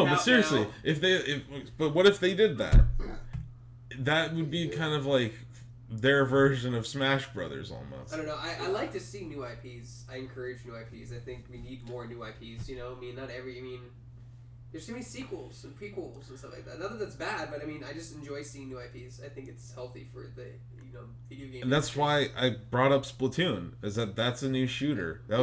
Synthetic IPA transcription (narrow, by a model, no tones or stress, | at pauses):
oʊbʌtsɪɹiɨsliʔɨfðeɪɪfb̥ʌt̚wʌɾɨfðeɪdɪd̪̚ðæ̰t̚jæ | ðɨt̚wɨd̚bikʰãɪ̃ndʌvlaɪk | ðə˞vɜ˞ʒɨ̃nʌv̥smæʃb̥ɹʌ̰ðə̰˞zɔ̰lˠmo̰ʊsɪdõʊ̃nːoʊaɪʔaɪlaɪk̚tʰɨsinʉaɪpʰiz̥ | aɪɨ̃nkʰɜ˞ɨd͡ʒnʉaɪpʰizaɪθɪ̃ŋkwinid̚mɔɹnʉaɪpʰiz̥jɨnoʊaɪmĩnːəɾɛvɹiaɪmĩn | ðə˞z̥stʰɨmɛnisikwl̩ˠz̥pʰɹ̥ikwl̩ˠz̥̃n̩stʌ̃flaɪk̚ðæ̰t̚ðəðəðætsb̥æd̚bʌɾaɪmĩnaɪd͡ʒʌstn̩d͡ʒɔɪsiɪ̃ŋnʉaɪpʰiz̥aɪθɪ̃ŋkɨtshɛlˠθifə˞ðɨ | jɨnoʊvɪɾiɨʊɡẽɪ̃ɨ̃n̩ðætswaɪʔa̰ɪbɹɔɾʌpsplətʰʉ̃nɨzðɨt̪̚ðætsɨnʉʃʉɾə̰˞ðæ